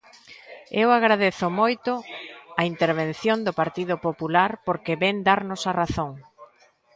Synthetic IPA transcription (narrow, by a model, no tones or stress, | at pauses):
ewaɣɾaðeθʊmojt̪ʊɐint̪eɾβ̞ẽn̟θjond̪ʊpaɾt̪iðʊpopulaɾpoɾkɪβɛŋd̪aɾnʊsaraθoŋ